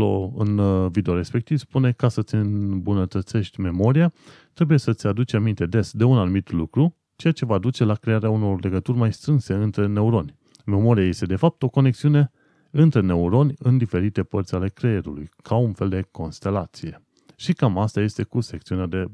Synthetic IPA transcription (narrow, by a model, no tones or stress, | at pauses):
o̰ɨ̰nvid̪eo̞ɾe̞spe̞k̚t̪ivspune̞kasət̪sʲɨnbunət̪ət̪se̞ʃt̪ʲme̞mo̞ɾija | t̪ɾe̞buje̞sət̪sʲad̪ut͡ʃamint̪e̞d̪e̞sd̪e̞unanumit̪lukɾu | t͡ʃe̞jat͡ʃe̞vad̪ut͡ʃe̞lakɾe̞aɾeauno̞rle̞ɡət̪urʲmajst̪ɾɨnse̞ɨnt̪ɾe̞ne̞uɾo̞nʲ | me̞mo̞ɾijaje̞st̪e̞d̪e̞fap̚t̪o̞ko̞ne̞ksiune̞ | ɨnt̪ɾe̞ne̞uɾo̞nʲɨnd̪ife̞ɾit̪e̞pərt̪sʲale̞kɾeeɾṵlṵjkʰaunfe̞ld̪e̞ko̞nst̪e̞lat̪sije̞ | ʃikamast̪aje̞st̪e̞kuse̞k̚t̪siunead̪e̞